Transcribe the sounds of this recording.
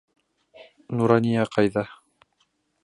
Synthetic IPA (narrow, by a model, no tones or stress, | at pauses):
nuɾɑnijaqɑjðɑ